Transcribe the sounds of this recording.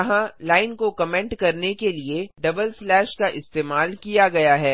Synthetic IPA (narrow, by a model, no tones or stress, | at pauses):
ɐɦãlaːɪnkokɐmɛ̃ɳʈkɐɾnekelieɖɐbəlslɛːʃkaʔɪst̪eːmaːlkijaɡɐjaɦɛː